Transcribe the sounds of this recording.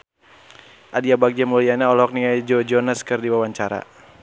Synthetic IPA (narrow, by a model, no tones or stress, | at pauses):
ʔadiabaɡ̚d͡ʒamulianaɔlɔɔk̚niŋajd͡ʒɔd͡ʒɔnaskɨrdiwawaɲt͡ʃaɾa̰